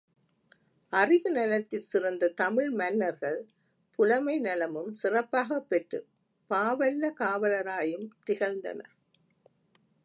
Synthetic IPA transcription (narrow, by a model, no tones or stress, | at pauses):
ʔɐrɪʋɯnɐlɐt̪ːɪlsɪrɐnd̪ɐt̪ɐmɪɭmɐnːɐɾɣɐɭ | pʊlɐmɐɪnɐlɐmɯmsɪrɐpːaːɣɐpːɛʈrɯ̰ | paːʋɐlːɐkaːʋɐlɐɾaːjɯmt̪ɪɣɐɾnd̪ɐ̰nɐ̰